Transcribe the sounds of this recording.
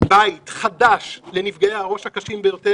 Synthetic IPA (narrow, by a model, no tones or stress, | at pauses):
bait̪χadaʃle̞nifɡajeaʁo̞ʃhakaʃimbejo̞te